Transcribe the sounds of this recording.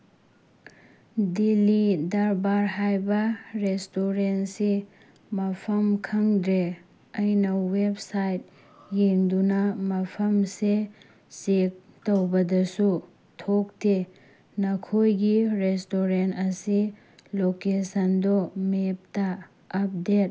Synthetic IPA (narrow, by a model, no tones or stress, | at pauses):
dilidaɾbaɾɦajbɐɾestoɾensi | mɐpʰɐmkʰɐŋdɾe | ɐjnɐwebsajt̚ | jeŋdunɐmɐpʰɐmse | sek̚ | towbɐdɐsu | tʰok̚te | nɐkʰojɡiɾestoɾentɐsi | lokesɐndomep̚tɐː | p̚det̚